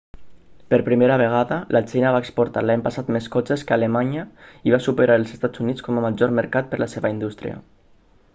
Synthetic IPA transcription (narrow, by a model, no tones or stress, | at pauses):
pəɾpɾimeɾəβəɣ̞aðəlʔat͡ʃejnaβaekspuɾt̪alaɲpasat̪meskɔt͡ʃeskəalemaɲəiβ̞asupəɾaɾəlˠzest̪ad͡zunit͡skɔməmaʒɔɾməɾkat̪̚pəɾlaseβəind̪ust̪ɾḭə̰